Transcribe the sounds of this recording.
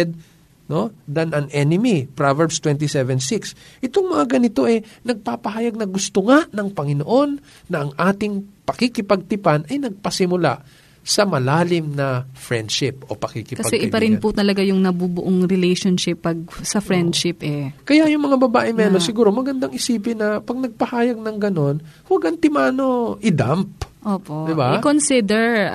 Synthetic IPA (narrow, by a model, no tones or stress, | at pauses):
ɛd̪̚ | no̞d̪ɐnɐnʔɛnɪmipɹavɛɹbst̪wɛnt̪isɛvɛnsiksʔɪt̪oŋmɐŋaɡɐnɪt̪o̞ʔɛnɐɡ̚papɐɦaːjɐɡ̚nɐɡʊst̪oŋaʔnɐŋpɐŋɪnoʔo̞nː | ɐʔɐŋʔaːt̪ɪŋpɐkikɪpɐɡ̚t̪ɪpanɐjnɐɡ̚pɐsɪmʊla̰ʔ | sɐmɐlaːlɪmnɐfɹɛnd̪ʃɪpʔo̞̰pɐkikɪkɐpɐɡsɛʔɪpɐɾɪnpʊt̪ɐlɐɡajʊŋnɐbubʊʔoŋɾɪlɛjʃonʃɪpːɐɡ̚sɐfɹɛnd̪ʃɪpʔɛkɐjaʔjʊŋmɐŋabɐbaːʔɪmɛːlosɪɡuːɾomɐɡɐnd̪aŋʔɪsiːpɪnːɐpɐɡ̚nɐɡ̚pɐhaːjɐɡ̚nɐŋɡɐno̞nwaɡʔɐnt̪ɪmaːno̞ʔɪd̪amp̚ʔoːpoʔd̪ɪbakonsɪd̪ɛɹ